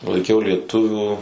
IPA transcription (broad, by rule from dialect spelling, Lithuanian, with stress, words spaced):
lˠɐɪˈkʲɛʊ lʲiɛˈtʊʋʲuː